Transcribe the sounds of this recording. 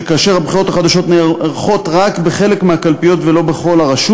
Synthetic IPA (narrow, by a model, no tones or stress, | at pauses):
kaːʃe̞ʁhabχiʁo̞t̪aχad̪aʃo̞t̪neeʁχo̞t̪ʁakbeχele̞kmeakalpijo̞t̪velo̞be̞χo̞laʁaʃu